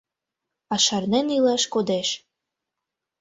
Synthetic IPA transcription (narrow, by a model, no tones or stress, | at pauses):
ɑʃɑrnenilɑʃkod̪eʃ